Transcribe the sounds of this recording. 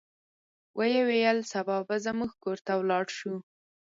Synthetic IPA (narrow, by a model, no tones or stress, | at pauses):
wʔəjewejəlsabɑbazəmuɡkoɾt̪awlɑɽʃu